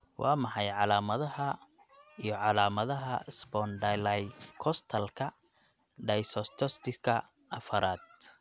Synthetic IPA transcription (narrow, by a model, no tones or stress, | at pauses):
wʔɑːmɑħɑjʕɑlaːmɐðɐhɐ | ijɞʕɑlaːmɐðɐɦɐsbɔːnɖɐjlajfkʰɔst̪ʰɐlkʰɐ | ɖɐjsɔst̪ʰɔst̪ʰɪkʰɐ | ʔɐfɐɾaːd̪̚